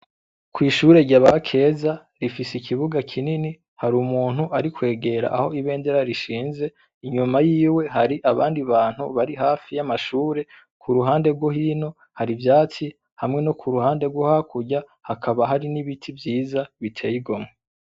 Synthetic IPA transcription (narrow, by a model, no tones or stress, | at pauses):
kwiːʃuɾe̞ɟaβakʰe̞ːza | ɾifisikʰiβuɡakʰinini | haɾumuːn̥huʔaɾikwe̞ːɡe̞ɾa̰ʔaho̞iβe̞ːnde̞ɾaɾiʃiːnze̞ | iɲumajiːwe̞ɦaɾiʔaβa̰ːndiβaːn̥hṵβaɾiɦaːfijamaʃuːɾe̞ | kʰuɾuɦaːnde̞ɾɡwohiːno̞ | haɾivjaːt͡si | hamŋe̞no̞kʰuɾuhaːnde̞ɾɡwohakʰuɟa | hakʰaβaɦaɾiniβitʰivjiːzaβitʰe̞ːjiɡo̞mŋe